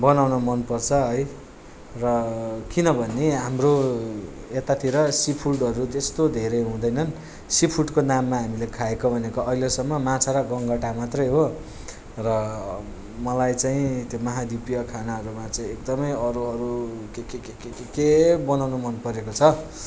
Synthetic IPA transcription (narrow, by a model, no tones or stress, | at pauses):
bʌnawnomʌnpʌrt͡sʰʌɦʌj | rʌkinʌbʱʌnːeɦamro | et̪at̪ʰiɾʌsipʰulɖʌɾut̪est̪od̪ʱeɾʌjɦũd̪ʌjnʌn | sipʰuɽkonamːaɦamilekʰaekobʱʌnekoʌɦilesʌmːʌmãt͡sʰaɾaɡʌŋɡʌʈamat̪rʌjɦo | rʌ | mʌlajt͡saĩt̪jomʌɦad̪ipijʌkʰanaʌɾumat͡saĩekd̪ʌmʌjʌɾuʌɾukekekekekkebʌnawnumʌnpʌɾekot͡sʰʌ